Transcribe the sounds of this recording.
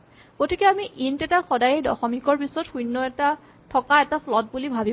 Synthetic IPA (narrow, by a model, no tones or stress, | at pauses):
kotʰikɛamiʔintɛtaxɔdajɛdɔ̰xɔmikɔɹpisɔtxunːɔɛta | tʰɔkaɛtapʰlɔt̚bulibʱabi